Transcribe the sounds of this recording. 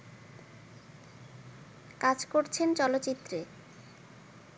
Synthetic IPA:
kad͡ʑkoɾt͡ɕʰent͡ɕɔlot̪ːt͡ɕit̪ːɾe

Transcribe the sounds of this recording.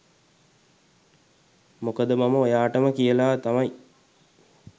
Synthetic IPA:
mokəd̪əmaməojaːʈəməkijəlaːt̪amɐi

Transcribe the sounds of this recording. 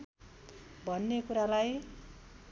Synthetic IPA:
bʱʌnːekuɾalaj

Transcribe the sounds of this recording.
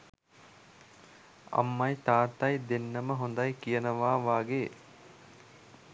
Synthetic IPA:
a̰mːajt̪aːt̪ajd̪enːəməɦond̪ajkijənəʋaːʋaːɡeː

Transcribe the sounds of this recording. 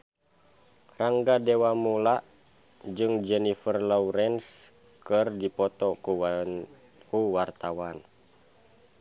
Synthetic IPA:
raŋɡadɛwamulaʔ | d͡ʒɨŋd͡ʒɛnifərlɔuɾɛns | kɨrdipɔt̪ɔu | kuwart̪awan

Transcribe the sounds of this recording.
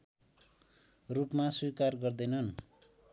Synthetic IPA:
rupmaswikarɡʌrd̪ʌjnʌn

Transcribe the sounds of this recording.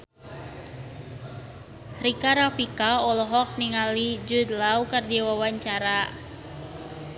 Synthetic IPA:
rikaɾafikaɔlɔɦɔk̚niŋalid͡ʒud̪lawkərdiwawaɲt͡ʃaɾa

